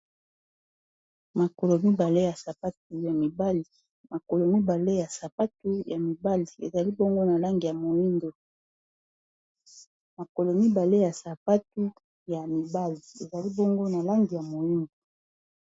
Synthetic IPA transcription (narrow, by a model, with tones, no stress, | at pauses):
ma˨ko˨lo˨mi˦ba˨le˦ja˨sa˨pa˦t̚u˦ja˨mi˨ba˦li˨ | ma˨ko˨lo˨mi˦ba˨le˦ja˨sa˨pa˦tu˦ja˨mi˨ba˦li˨ḛ˨za˨li˦bo˦ŋɡo˦na˨la˦ŋɡi˨ja˨mo˨ji˦ndo˨ | ma˨ko˨lo˨mi˦ba˨le˦ja˨sa˨pa˦tu˦ | ja˨mi˨ba˦li˨e˨za˨li˦bo˦ŋɡo˦na˨la˦ŋɡi˨ja˨mo˨ji˦ndo˨